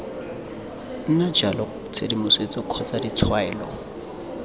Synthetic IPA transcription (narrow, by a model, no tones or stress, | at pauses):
n̩nad͡ʒalɔ | t͡sʰedimʊset͡sʼɔkʰɔt͡sʼadit͡sʰwaɛːlɔ̰